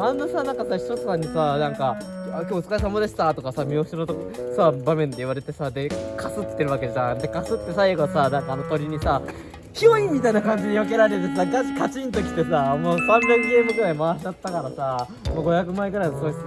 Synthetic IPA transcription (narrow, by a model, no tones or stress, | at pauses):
anːosanãŋkasaçi̥t̪ot̪o̥sãɲ̟ːisanãŋkaakʲoːɯt͡sɨ̥kaisamad̪eɕi̥t̪aːt̪o̞kasamʲioɕiɾot̪oksabamẽ̞nd̪e̞iβaɾe̞t̪e̞sad̪e̞kʰasɨt̪ːe̞ɾɯ̟βake̞ʑãd̪e̞kasɨt̪ːe̞saiɡo̞sanãŋkaːnot̪oɾʲiɲ̟isa | çioĩmmʲːit̪ainakãɲ̟d͡ʑiɲ̟ijok̬e̞ɾaɾet̪̬e̞saɡat͡ɕi̥kat͡ɕĩnt̪o̞kʲi̥t̪e̞samoːsãnzeŋɡe̞ːmɯ̟ɡɯ̟ɾaimaːɕid̪at̪ːakaɾasa | moɡo̞jakɯ̟maeɡɯ̟ɾainosoi